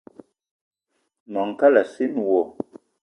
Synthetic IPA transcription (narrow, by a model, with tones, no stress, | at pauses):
mɔ˨ŋ˨ka˦la˨si˦nwɔ˨